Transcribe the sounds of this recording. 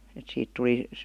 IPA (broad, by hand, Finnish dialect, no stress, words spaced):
et siːt tuli